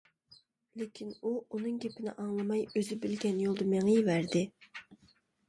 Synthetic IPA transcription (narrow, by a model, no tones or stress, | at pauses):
lekʲʰinuunɨŋɡʲepʰɪnɪ̰ʔɑŋlˠɨmɑjøzɪbɪlɡʲɛnjolˠd̪ɑmeŋɨvæɾd̪ɪ